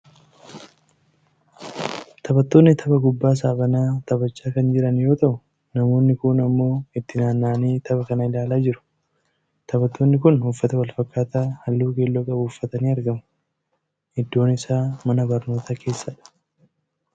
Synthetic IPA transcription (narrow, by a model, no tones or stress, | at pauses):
t̪ʰɐbɐt̪ːo̞ːnːɪt̪ʰɐbɐɡʊbːaːs̬aːbɐnaːt̪ɐbɐt͡ʃːaːkɐnd͡ʒɪɾɐnjo̞ːt̪ɐʔʊ | nɐmo̞ːnːɪkʊːnɐmːo̞ːɪt̪ːɪnaːnːaːniːt̪ʰɐbɐkɐnɐɪlaːlaːd͡ʒɪɾʊ̥ | t̪ʰɐbɐt̪ːo̞ːnːɪkʊnhʊfːɐt̪ɐwɐlfɐkːaːt̪aːhɐlːuːkeːlːoːkʼɐbʊːfːɐt̪ɐniːɐɾɡɐmʊ̥ | hɪd̪ːo̞ːnɪsaːmɐnɐbɐɾno̞ːt̪akʰe̞ːsːɐᶑɐ̥